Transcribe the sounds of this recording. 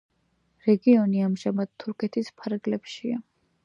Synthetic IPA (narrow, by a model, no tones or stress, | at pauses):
ɾɛɡiɔniamʒamad̪̥̚t̪ʰːuɾkʰɛt̪ʰispʰaɾɡlɛpʃia